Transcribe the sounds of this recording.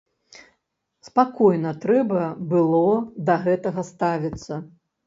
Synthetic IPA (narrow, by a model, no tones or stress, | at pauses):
spakɔjnɐt̪ɾɛbɐbɨlˠɔd̪ɐɣɛt̪ɐɣɐst̪avʲit̪sːɐ